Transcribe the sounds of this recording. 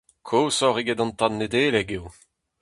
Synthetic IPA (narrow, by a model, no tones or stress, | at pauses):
kʰoːsɔʁiɡɛdɑ̃nt̪anːedeːleɡew